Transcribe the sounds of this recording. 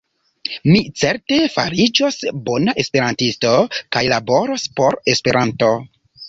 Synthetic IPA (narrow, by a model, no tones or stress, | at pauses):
mit͡se̞ɾte̞fa̰ɾid͡ʒosbo̞naʔe̞spe̞ɾantisto̞kajlabo̞ɾospo̞ɾe̞spe̞ɾʔanto̞